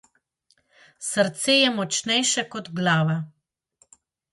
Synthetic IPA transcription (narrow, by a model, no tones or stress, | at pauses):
səɾt̪seːjɛmɔt͡ʃnɛjʃɛkɔd̪ɡlaːʋa